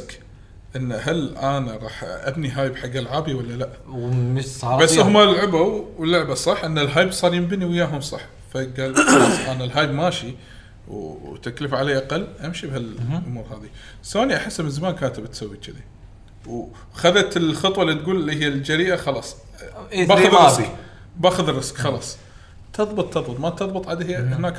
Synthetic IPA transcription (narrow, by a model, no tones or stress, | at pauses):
k | ʔɪnːhalʔaːnaɾˤɑːħʔa̰bniɦaːjbħaɡːalʕaːbijawalːalaʔ | basːhʊmalʕabawwəlːʊʕbasˤɑħːʔɪnːalɦaːjbsˤɑːɾjɪmbɪniwɪjːaːɦʊmsˤɑ̰ħ | faɡaːlɑʔanalɦaːjbmaːʃi | wt̪akləfʕaleːʔaqɑlːʔamʃibhalʔʊmuːɾɦaːði | soːniʔaħɪsːmnzamaːnkaːnt̪bɪt̪sawːit͡ʃɪd̪i | w | xaðat̪ɪlxɨt̪ˤwɑlːit̪ɡuːllːiɦɪjːald͡ʒaɾiːʔaxɑlɑsˤ | baːaðːɪsk | baːxʊðɪrːɪskxɑlɑ̰ːsˤ | t̪ʰɑðˤbɨt̪ˤt̪ːɑðˤbɨt̪ˤmat̪ɑðˤbɨt̪ˤʕad̪hɪnaːk